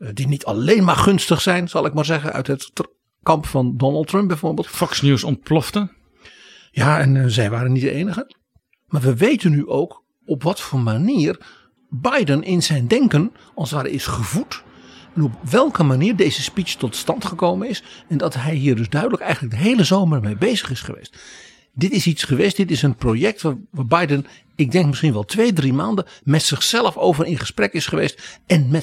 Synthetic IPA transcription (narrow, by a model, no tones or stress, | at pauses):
dinitʰɑleːnmaːrχɵnstəχsɛjnzɑlˠɪkmaːɹzɛɣənœ̰ɥtɦət | kɑmpfɑndɔnəlˠtɹœmp̚bɛjvoːɹbeːlˠtfɔksnjusɔn̚plɔftə | jaːɛnzɛjʋaːɾənːitdəejnəχə | maːrʋəʋejtənːyʔowk | ɔpʋɑtfoːrmaniːr | bajdənʔɪnzɛjndɛŋkən | ɑlˠsʋaːɾɛ̰jɪsχəvutɛnɔp̚ʋɛlˠkəmaniːrdezəspit͡ʃtɔtstɑntχəkowmənɪsɛndɑtɦɛjɦiːrdɵzdœɥdələkɛjɣən̩lək̚dəɦejləzowməmejbejzəχɪsχəʋḛjst | dɪtɪsitsχəʋejstdɪtɪsənprowjɛk̚tʋaʋaːbajdən | ɪɡ̚dɛŋkmɪsχinʋɛlˠtʋejdrimaːndəmɛtsɪχsɛlˠəfowvərɪnχə̥sprɛkɪsχəʋḛjstɛnmɛ